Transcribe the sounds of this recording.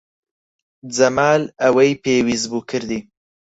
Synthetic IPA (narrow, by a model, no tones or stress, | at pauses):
d͡zɐmaːlɐwejpʰeːwiːzbuːkʰɨɾd̪iː